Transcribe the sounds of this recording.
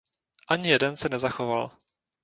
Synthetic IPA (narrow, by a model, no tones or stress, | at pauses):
ʔaɲɪjɛdɛnsɛnɛzaxoval